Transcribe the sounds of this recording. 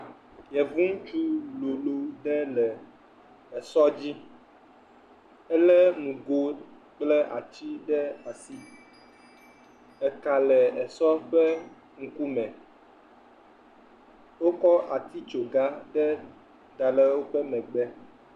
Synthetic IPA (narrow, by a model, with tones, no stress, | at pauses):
jɛ˨vũ˦ŋ̩̃˦t͡ʃu˦lo˨lo˦ɖɛ˦lɛ˨ | ɛ˨sɔ˦d͡ʑi˦ | ɛ˦lɛ˦nũ˨ɡo˦ | k͡plɛ˦ʔa˨t͡ɕi˦ɖɛ˦a˨si˦ | ɛ˨ka˨lɛ˨ɛ˨sɔ˦ɸɛ˦ | ŋ̩̃˨ku˦mɛ̃˨ | wo˦kɔ˦ʔa˨t̪i˦t͡ʃo˨ɡa˦ɖɛ˦ | d̪a˨lɛ˦wo˦ɸɛ˦mɛ̃˨ɡ͡bɛ˦